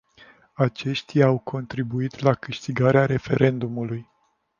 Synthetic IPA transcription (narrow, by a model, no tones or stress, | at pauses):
at͡ʃe̞ʃt̪ʲijawkʰo̞nt̪ɾibuit̪lakɨʃt̪iɡaɾeaɾe̞fe̞ɾʔe̞nd̪umuluj